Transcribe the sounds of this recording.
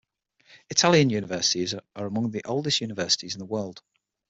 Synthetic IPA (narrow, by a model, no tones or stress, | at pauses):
ɪtʰaljə̃njʉːnɪvɜˑsɪ̥tɪzʔəɹəmʊ̃ŋðiʔoʊlˠdɪstjʉːnɪvɜˑsɪ̥tʰɪzɪ̃nðəwɜːlˠd̥